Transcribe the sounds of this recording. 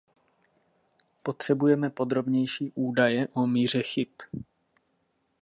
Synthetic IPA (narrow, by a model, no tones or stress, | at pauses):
po̞t̪r̝̥ɛbujɛmɛpo̞d̪ɾo̞bɲɛjʃiːʔuːdajɛʔomiːr̝ɛxɪp